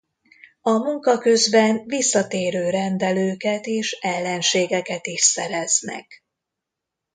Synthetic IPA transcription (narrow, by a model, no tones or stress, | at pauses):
ɒmuŋkɒkø̞zbɛnvisːɒt̪eːɾøːɾɛnd̪ɛløːkɛt̪eːʃɛlːɛnʃeːɡɛkɛt̪iʃsɛɾɛznɛ̰k